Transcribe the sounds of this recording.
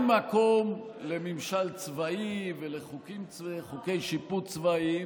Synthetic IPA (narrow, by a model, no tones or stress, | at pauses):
makomlemimʃalt͡svaiveleχukimt͡sχukejʃiput͡svai